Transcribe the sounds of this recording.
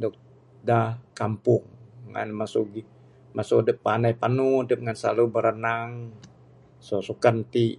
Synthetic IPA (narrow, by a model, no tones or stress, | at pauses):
dɔk̚ | dakampʊŋːa̰nmasuɡi | masudəpːanajpanudəp̚ŋansa̰lubəɾənaŋ | sosukant̪i